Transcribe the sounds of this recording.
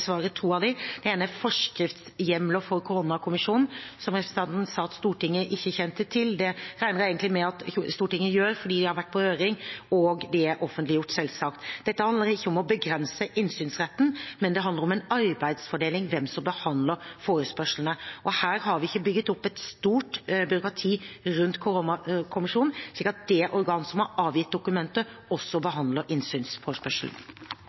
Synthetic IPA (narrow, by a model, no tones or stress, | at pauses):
sʋɑːɾət̪ʰuːɑd̪ɛd̪̥ɛeːnəfɔʂkɾɪft̪sjɛmlɔfɔɾkʰʊɾʊnɑkʰʊmɪʂuːnn̩sɔmɾɛpɾəsə̥n̩ɑnt̪n̩sɑːɑt̪st̪uːʈɪŋːəʔɪçːəçɛnt̪ət̪ʰɪld̪ɛɾæɪnəɾeɪɡənlɪmɛɑt̪çst̪uːʈɪŋːəjøːɾfɔɖiːd̪ɪhɑɾʋæʈ̚ːpʰɔhøːɾɪŋɔɡd̪ɛæɾʔɔfːənt̪lɪjʊʈːsɛlsɑkt̪d̪̥ɛt̪ːəhɑnd̪əɾɪçːəɔmɔbəɡɾɛnsəʔɪnsyːnsɾɛt̪ːn̩mɛnd̪ɛɦɑnd̪əɾɔmɛɪnɑɾbæɪd̪sfɔɖeːlɪŋʋɛmsɔmbəhɑnd̪ləɾfoːɾəspœʂln̩əʔɔhæːɾhɑɾʋɪɪçːəbʏɡːət̪ɔpːɛt̪st̪uːʈbʏɾʊkɾɑt̪ʰiːɾʉnt̪kʰʊɾonɑkʰʊmɪʂuːnnʂlikəɾɑt̪̚d̪ɛʔɔɾɡɑːnsɔmhɑɾɑːʋjɪt̪̚d̪ʊkʉmɛnt̪əɔsːɔbəɦɑnd̪ləɾʔɪnsyːnsfoːɾəspœʂl̩n